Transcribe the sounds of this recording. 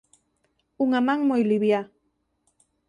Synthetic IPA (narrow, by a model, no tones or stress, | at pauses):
uŋamaŋmojliβja